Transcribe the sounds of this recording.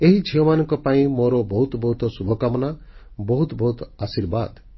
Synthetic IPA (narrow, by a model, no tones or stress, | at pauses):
eɦid͡ʒʰʱiɔmanɔŋkɔpaĩmoɾɔbɔɦut̪bɔɦut̪ɔsubʱɔkamɔnabɔɦut̪bɔɦut̪asiɾba̰d̪